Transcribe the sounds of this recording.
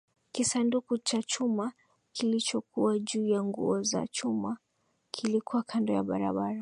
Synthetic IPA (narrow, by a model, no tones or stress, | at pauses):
kisandukut͡ʃat͡ʃuma | kʰilit͡ʃɔkuwaʄuːjaŋɡṵɔza̰t͡ʃuma | kʰilikuwakʰandɔja̰ɓa̰ɾa̰ɓaɾa